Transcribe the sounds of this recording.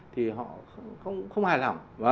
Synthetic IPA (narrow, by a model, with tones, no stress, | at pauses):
t̪ʰi˨˩ɦɔ̰˧˨xə˧wŋ͡mxə˧wŋ͡mhaː˨˩jla˨˩ŋ͡mvə˧